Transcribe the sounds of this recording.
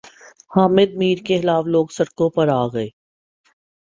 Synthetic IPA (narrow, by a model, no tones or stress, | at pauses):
haːmɪd̪̚miːɾkexɪlaːʋloːɡsɐɽkõpɐɾaːɡɐeː